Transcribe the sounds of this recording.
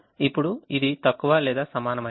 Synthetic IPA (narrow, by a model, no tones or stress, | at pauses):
ipːuɽuid̪it̪ɐkːuʋɐːlɛːd̪aːsɐmaːnɐmɐ